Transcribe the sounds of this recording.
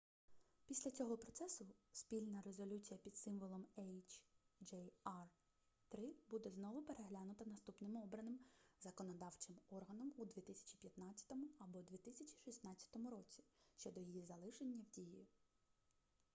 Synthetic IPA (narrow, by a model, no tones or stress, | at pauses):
pʲisʲlʲɐt͡sʲɔɦɔpɾɔt̪sɛsʊspʲilʲnɐɾe̞zɔlʲut͡sʲijɐpʲid̪sɪmʋɔlˠɔmɛjt͡ʃd͡ʒɛjɑr | t̪ɾɪbud̪ɛznɔʋʊpeɾe̞ɦlʲanʊt̪ɐnɐst̪upnɪmɔbɾɐnɪmzɐkɔnɔd̪ɑwt͡ʃɪmɔrɦɐnɔmud̪ʲʋʲit̪ɪsʲɐ̥t͡ʃi̥pʲjɐt̪nɑt͡sʲːɐ̥t̪ɔmʊɐbɔd̪ʲʋʲit̪ɪsʲɐt͡ʃʲi̥ʃisnɑt͡sʲːɐ̥t̪ɔmʊɾɔt͡sʲi̥ʃt͡ʃɔd̪ɔjijizɐlˠɪʃenʲːɐwdʲiji